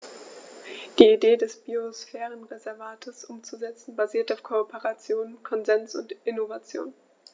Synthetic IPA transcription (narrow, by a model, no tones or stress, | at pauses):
d̥iːideːdɛsb̥iosfɛːʁənʁezɛɐvaːtʰəsʔʊmt͡suzɛt͡sn̩baziːɐtaʊfkʰoːpʰeʁat͡sjoːnkʰɔnzɛnsʊ̰ntɪnovat͡sjo̰ːn